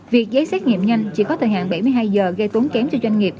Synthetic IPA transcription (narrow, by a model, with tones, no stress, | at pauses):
vi˨˩ək̚zəː˨˦jsɛ˦˥t̚ŋḭ˧˨əmɲa˧jŋ̟t͡ɕi˧˩kɔ˨˦t̪ʰəː˨˩ɦa̰ː˧˨nɓa˧˩jmɨ˧əjɦaː˧jzəː˨˩ɣə˧jt̪u˨˦nkɛ˨˦mt͡ɕɛ˧wzwa˧jŋ̟ŋi˨˩əp̚